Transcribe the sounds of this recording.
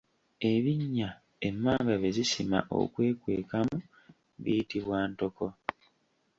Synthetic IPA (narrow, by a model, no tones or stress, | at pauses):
e̞βiɲːa | e̞mːaːŋɡaβezisima̰ʔo̞̰kwe̞ːkwe̞̰ːkamu | βijitiβwaːnto̞ko̞